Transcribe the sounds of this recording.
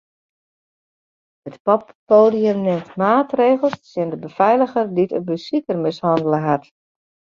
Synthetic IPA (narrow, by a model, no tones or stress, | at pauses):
ətpɔpːoːdiəmnɪmtmaːtreːɣəlˠssɪndəbəfɛjləɣərditəbəsikərmɪshɑndələɦat